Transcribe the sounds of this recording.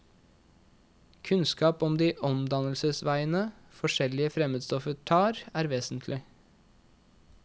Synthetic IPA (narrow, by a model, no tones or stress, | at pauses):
kʰʉnskɑːpɔmd̪iːʔɔmd̪ɑnəlsəsʋæɪənə | fɔʃɛlɪəfɾɛməːd̪st̪ɔfət̪ʰɑːɾæːɾʋeːsn̩t̪ʰlɪ